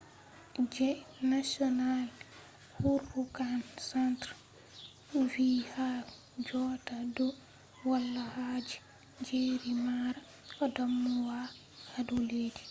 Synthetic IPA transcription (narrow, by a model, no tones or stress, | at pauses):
d͡ʒɛnasiɔnal | huɾhukansɛntɾ | viha | d͡ʒɔːtadɔ | walːahad͡ʒi̥ | d͡ʒeɾimaːɾa | ʔɔdamːuwa | haduleːdi